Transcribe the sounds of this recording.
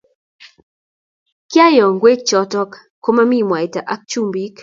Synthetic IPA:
kja˦jɔ˨ŋɡwe˦k̚t͡ʃɔ˦tɔ˦k | kːo˦ma˦mi˦mwa˨jta˨ʔa˦k̚t͡ʃu˦mbi˦k

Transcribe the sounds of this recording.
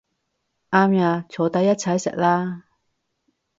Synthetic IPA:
ʔaː˥mjaː˧t͡sʰo˨˩t̪ɐ˧˥jːɐ˥t̚t͡sʰɐ˨˧˥jsɪ̰˨k̚laː˥

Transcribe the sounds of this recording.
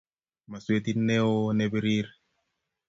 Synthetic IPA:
ma˨swe˨t̪inːɛ˦o˦nebeɾi˦ɾ

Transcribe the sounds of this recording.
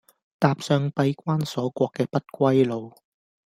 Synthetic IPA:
t̪aː˧p̚sœː˧ŋpɐ˧jkʷaː˥nsɔː˨˥kʷɔː˧kːɛː˧pɐ˥t̚kʷɐ˥jlo˨˧w

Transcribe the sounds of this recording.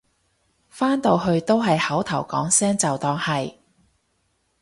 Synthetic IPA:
faː˥nt̪o˨˧wɦɵ˧ɥt̪o˥wɦɐ˨jhɐ˨˥wt̪ʰɐ˨˩wkɔ̰ː˨˥ŋsɛː˥ŋt͡sɐ˨wt̪ɔː˧ŋhɐ˨j

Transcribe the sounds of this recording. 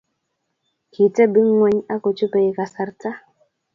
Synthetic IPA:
kʰi˨tɛ˦bi˦ŋwɛ˨˦ɲa˦ko˨t͡ʃu˦pɛ˨i˨ka˨sa˨ɾta˦

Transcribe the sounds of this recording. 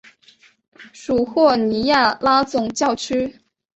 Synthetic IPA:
ʂu˨˩xwɔ˥˩ni˧˥ja˥˩la˥t͡sʊ˨˩ŋt͡ɕjɑ˥˧ʊt͡ɕʰy˥

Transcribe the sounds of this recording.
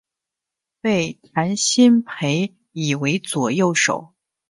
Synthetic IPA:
pe˥˩ɪt̪ʰa˧˥nɕi˥npʰe˧˥ɪ | i˨˩we˧˥ɪt͡swɔ˨˩jo˥˩ʊʂo̰˨˩˦ʊ

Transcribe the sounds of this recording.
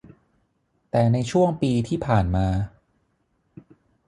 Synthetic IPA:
t̪ɛː˨˩na˧jt͡ɕʰu˥˩əŋpiː˧t̪ʰiː˥˩pʰaː˨˩nmaː˧

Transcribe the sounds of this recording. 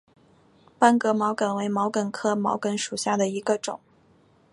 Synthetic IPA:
pa˥nkɤ˧˥mɑ˧˥ʊkə˨˩nwe˧˥ɪmɑ˧˥ʊkə˨˩nkʰɤ˥mɑ̰˧˥ʊkə˧˥nʂu˨˩ɕja˥˩d̪ə˩i˧˥ɡə˧ʈ͡ʂʊ˨˩˦ŋ

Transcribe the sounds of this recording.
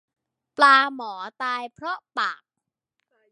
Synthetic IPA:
plaː˧mɔː˩˦t̪aː˧jpʰɾɔ˦˥paː˨˩k̚

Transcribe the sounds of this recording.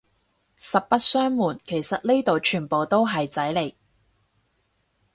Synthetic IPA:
sɐ˨p̚pɐ˥t̚sœː˥ŋmuː˨˩nkʰe˨˩jsɐ˨t̚le˥t̪o˨wt͡ʃʰyː˨˩npo˨wt̪o˥wɦɐ˨jt͡sɐ˨˥jle˨˩j

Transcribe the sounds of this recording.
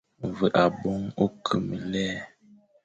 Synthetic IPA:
və˨ʔa˨bɔ˦ŋo˦kʰə˨mi˨lɛː˦

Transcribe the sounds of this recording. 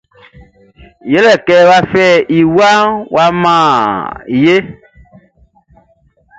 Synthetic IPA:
je˨˦lɛ˨kɛ˨wa˦fɛ˦˨ʔi˨wa˦wa˨mã˦˨je˦

